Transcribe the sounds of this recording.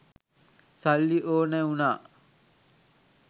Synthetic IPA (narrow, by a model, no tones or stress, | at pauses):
salːiʔoːneunaː